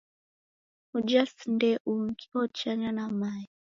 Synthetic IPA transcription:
ud͡ʒasndɛʔuŋkiɔt͡ʃaɲanamai

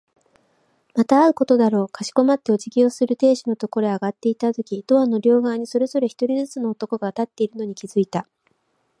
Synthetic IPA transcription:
mat̪aːaɯ̟ko̞t̪o̞d̪aɾo̞ːkaɕi̥ko̞mat̪ːe̞ot͡ɕiɡʲiosɨɾɯ̟t̪e̞ːɕino̞t̪o̞ko̞ɾeaɡat̪ːe̞it̪at̪okʲid̪̥o̞ano̞ɾʲo̞ːɡaːɲ̟iso̞ɾe̞zo̞ɾe̞çi̥t̪o̞ɾʲizɨt͡sɨno̞ːt̪o̞ko̞ɡat̪at̪ːe̞iɾɯ̟no̞ɲ̟ikʲizɨit̪a

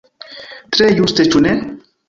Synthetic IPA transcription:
t̪ɾejust̪et͡ʃune

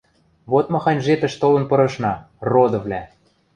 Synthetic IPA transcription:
βot̪mɤ̆xɑnʲʒet̪ə̆ʃt̪olɤ̆npɤ̆ɾɤ̆ʃnɑ | rod̪ɤ̆vlʲæ

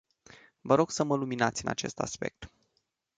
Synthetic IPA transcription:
vəɾo̞ɡ̥səməluminat̪sʲɨna̰t͡ʃe̞st̪a̰spe̞̰k̚t̪

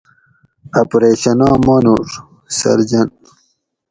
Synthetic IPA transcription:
ɐpɾeːɕɐnɑ̃ːmɑːnoɾ | sɐ̰ɾd͡ʑɐn

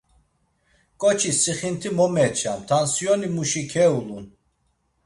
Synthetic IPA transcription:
kʼɔt͡ʃʰisiχint̪ʰimɔmɛt͡ʃʰamt̪ʰansjɔnimuʃikʰɛulun

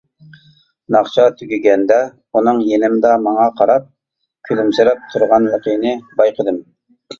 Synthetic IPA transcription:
nɑχt͡ʃʰɑt̪ʰyɡʲyɡʲɛnd̪ɛ | unɨŋjenɪmd̪ɑmɑŋɑqʰɑɾɑp̚ | kʲʰylymsɪɾɛp̚t̪ʰuɾʁɑnwəqʰinɪbɑjqʰəd̪ɨm

